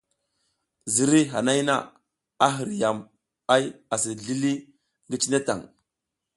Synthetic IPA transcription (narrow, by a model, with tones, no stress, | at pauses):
zi˨ɾi˦ɦa˨na˦jna̰˦ | a˦ɦi˨ɾja˨m | a˦ja˨si˨ɮi˦li˦ | ŋɡi˦t͡ʃi˦ne˦ta̰˨ŋ